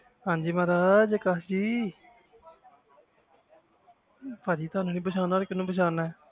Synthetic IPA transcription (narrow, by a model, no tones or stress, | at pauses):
hãːɲd͡ʒiːmaːɾaːd͡ʒkaːd͡ʒiː | paːd͡ʒiːt̪ʊaːnũːnĩːbəʃʰaːnaːɾkɪnũːpəʃ̬ʰaːnaːɛː